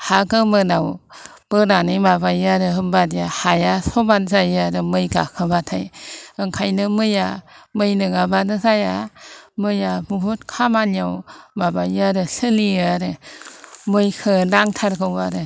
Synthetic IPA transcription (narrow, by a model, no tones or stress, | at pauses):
haɡɯmɯnaw | b̥ɯnanɯjmabajaɾɯɦɯmbadijahajasɔbanzajaɾɯmɯjɡa̰kʰɯbatʰa̰jɯŋkʰajnɯmɯjamɯjnɯɡabanɯzajamɯjabubutkʰamanjawmabaaɾɯɬɯliɾɯ | mɯjkʰɯnaŋtʰaɾɡɯwaɾɯ